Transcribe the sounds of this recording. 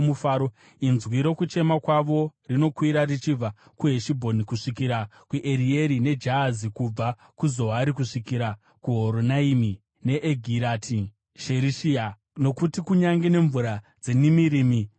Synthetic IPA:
mufaːɾo | inzwiɾo̞kut͡ʃe̞makwaʋo̞rino̞kwiɾarit͡ʃib͡va | kuɦeʃibʱonikuʂikiɾakuʔeɾie̞ɾine̞d͡ʒaːzikub͡va | kuzo̞ɦaɾikuʂikiɾa | kuɦoɾonaimi | ne̞ʔeɡʱiɾatʰi | ʃeɾiʃia | no̞kutikuɲaŋɡene̞ɱvuɾa | d͡zenimiɾiːmi

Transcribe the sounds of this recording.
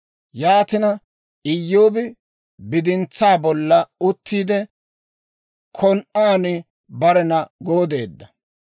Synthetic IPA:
jaːt̪ɪnɐ | ɪjːoːbɪ | bɪd̪ɪnt͡sːaːbɔlːɐʊt̪ʰːiːd̪ɛ | kʰɔnʔaːnɪ | bɐɾɛnɐɡoːd̪e̞̰ːd̪ːɐ

